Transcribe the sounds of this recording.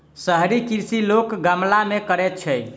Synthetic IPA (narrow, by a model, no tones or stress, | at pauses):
səɦɾikiɾsilokɡəmlamekəɾɛt̪̚t͡ʃʰɛj